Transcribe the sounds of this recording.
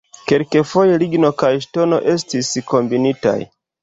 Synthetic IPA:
ke̞lke̞fo̞jeliɡno̞kajʃto̞no̞̰ʔe̞s̬tisko̞mbinita̰j

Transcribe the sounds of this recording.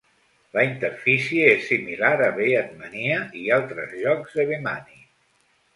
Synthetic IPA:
ləint̪əɾfisiəesːimilaɾəβeət̪̚məniəʔialˠt̪ɾəzʎɔkzðəβema̰ni

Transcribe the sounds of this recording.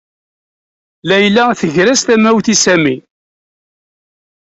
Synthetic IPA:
læjlːæθəʝɾæst̪æmæwθisæmi

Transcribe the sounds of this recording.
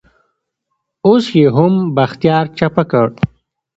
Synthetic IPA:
osjeɦʊmbɐxt̪jɑːɾt͡ʃɐpakəɽ

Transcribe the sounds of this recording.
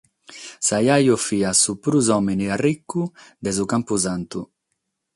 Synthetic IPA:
sajajofiasupɾuzɔmeniarikːud̪ɛzukampuzant̪u

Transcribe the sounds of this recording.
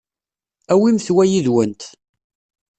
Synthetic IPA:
æwimθwæjiðwənt̪

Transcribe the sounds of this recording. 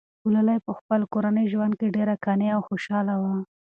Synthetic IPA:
ulalajpəxpəlkoɾanəjʒwand̪̚keɖeɾakɑneawxoʃɑlawa

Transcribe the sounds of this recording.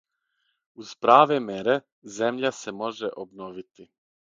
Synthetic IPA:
uz̥pɾaːʋemeɾe | ze̞mʎase̞mo̞ʒeʔobno̞ʋit̪i

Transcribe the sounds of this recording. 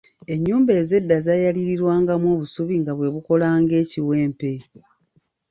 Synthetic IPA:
e̞ɲːuːmbeːze̞dːazajaliɾiɾwaːŋɡamwoːβusuβiŋɡaβwe̞βuko̞laːŋɡe̞ːciwe̞ːmpe̞

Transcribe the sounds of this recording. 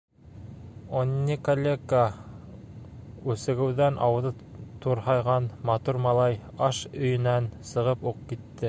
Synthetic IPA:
onʲːikolʲeka | ʉsɘ̆ɡɘ̆wðænʔɑ̰wɤ̆ðɤ | t̪uɾhɑjʁɑnmɑt̪uɾmɑlˠɑjɑʃɵ̆jɵ̆nænsɤ̆ʁɤpuq̚kit̪ːɘ

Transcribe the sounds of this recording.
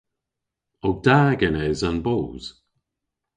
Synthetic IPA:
ɔɡ̚d̥aːɡɛnɛzanboːz̥

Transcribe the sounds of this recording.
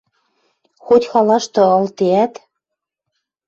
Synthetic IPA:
xot̪ʲxɑlɑʃt̪ɤ̆ɤ̆lt̪eæt̪

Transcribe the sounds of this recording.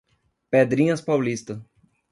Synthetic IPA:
ped̪ɾĩɲɐspawlist̪ɐ

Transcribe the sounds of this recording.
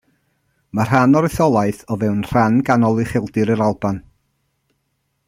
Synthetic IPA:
mar̥anɔɾɪθɔlˠaɨθɔvɛwnr̥anɡanɔlˠɨχɪlˠdɨɾəɾalˠban

